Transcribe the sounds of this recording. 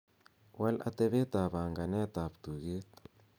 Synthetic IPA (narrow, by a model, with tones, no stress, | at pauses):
wa˦la̰˦t̪e˦βe˦t̪a˨βa˨ŋɡa˨nɛ˦t̪a˨βt̪u˨ɣe˦t̪